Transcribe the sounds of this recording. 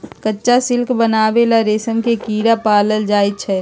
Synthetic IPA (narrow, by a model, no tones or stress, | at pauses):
kətːʃasɪlkbənaːʋelaɾeːsəmkekiːɽapaːləld͡ʒaːit̚t͡ʃʰɛ